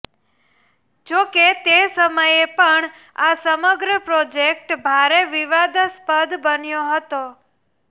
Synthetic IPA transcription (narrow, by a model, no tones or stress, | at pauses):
d͡ʒoket̪esəməjepəɳ | asəməɡɾəpɾod͡ʒek̚ʈbʱaɾeʋiʋad̪spəd̪ʱbənjoɦət̪o